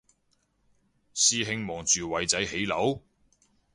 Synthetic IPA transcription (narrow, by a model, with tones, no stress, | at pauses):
siː˧ɦɪ˧ŋmɔː˨˩ŋt͡ʃyː˨˩wɐ˨˧jt͡sɐ˨˥jhe˨˥jlɐ˨˥w